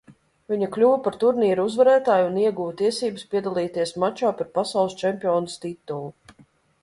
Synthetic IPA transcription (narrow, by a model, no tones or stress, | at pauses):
viɲɐklʲuːvpaɾt̪uɾniːɾuzvaɾæːt̪aːjuniɛɡuːvt̪iɛsiːbɨspʲiɛd̪alˠiːt̪iɛsmat͡ʃaːpaɾpasɑwlˠɨst͡ʃɛmpʲiɔːnɨst̪it̪ːulˠu